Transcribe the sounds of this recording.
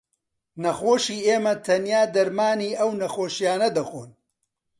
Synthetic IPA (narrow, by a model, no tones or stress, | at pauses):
nɐxoːʃiːʔeːmɐt̪ʰɐnjaːd̪ɐɾmaːniːʔɐwnɐxoːʃjaːnɐd̪ɐxo̰ːn